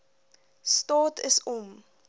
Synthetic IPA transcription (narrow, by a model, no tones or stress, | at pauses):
stɑːtʰəsɔm